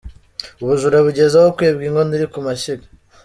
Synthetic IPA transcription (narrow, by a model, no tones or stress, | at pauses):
uβuʒuɾaβuɟe̞zahokweːbɡiːŋɡoniɾikumaɕiɡa